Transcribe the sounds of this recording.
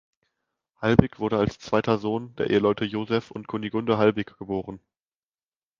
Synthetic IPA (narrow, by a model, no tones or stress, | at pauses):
halbɪkv̥ʊɐɾəalst͡sv̥aɪtɐzoːndeːɐʔḛːəlɔʏtʰəjoːzɛfʊ̰ntkʰoniɡʊndəɦalbɪkɡ̥əboːʁən